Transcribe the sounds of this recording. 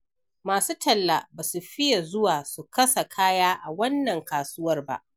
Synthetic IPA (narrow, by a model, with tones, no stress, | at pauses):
maː˨suː˦tɐ˨lːa˨baː˨su˨ɸɪ˦ja˨zʊ˦waː˨su˨kɐ˦sa˨kʰaː˦jaː˦ʔa˨wɐ˦nːɐ˨ŋkaː˨sʊ˦wɐ˦rba̰˦ʔ